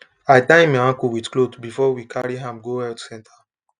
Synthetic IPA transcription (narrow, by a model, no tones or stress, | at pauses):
ajtãmaãkuwidklotbifɔwikʰaɹiɦãmɡohɛltsɛ̃ntʰa